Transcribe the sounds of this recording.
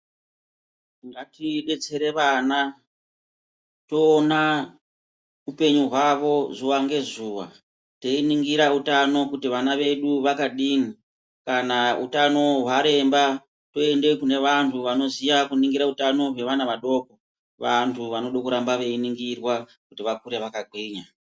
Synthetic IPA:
iŋɡatiɓe̞t͡se̞ɾe̞ʋaːna | to̞ːna | upe̞ɲuɦwaʋo̞zuʋaŋɡe̞zuːʋa̰ | te̞iniŋɡiɾautano̞kutiʋanaʋe̞ɗuʋakaɗini | kanaṵtano̞ɦwaɾe̞mba | to̞e̞nde̞kune̞ʋantʰuʋano̞zijakuniŋɡiɾautano̞ɦwe̞ʋanaʋaɗo̞ːko | ʋantʰuʋano̞ɗokuɾambaʋe̞iniŋɡirwa | kutiʋakuɾe̞ʋakaɡʱwiːɲa

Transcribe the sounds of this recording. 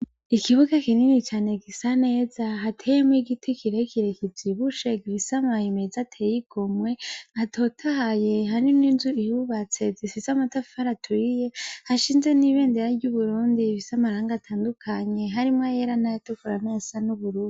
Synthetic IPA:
ikiβuɡakininit͡ʃaːne̞ɡisane̞ːzaɦatʰejemwiɡitʰikʰiɾekiɾe̞kiziβuʃe̞ɡiβisamahimezatʰejiɡ̥o̞mwe̞atʰo̞tʰahaje̞ɦaɾiminzuihuβat͡se̞zifisamatafi̥haɾatwiːje̞haʃiːnzeniβe̞ːnde̞ɾaɾɟuβuɾuːndiβisamaɾaːŋɡatʰaːndukʰaɲe̞ɦaɾimŋajeɾanajatukuɾanasanuβuɾuːi

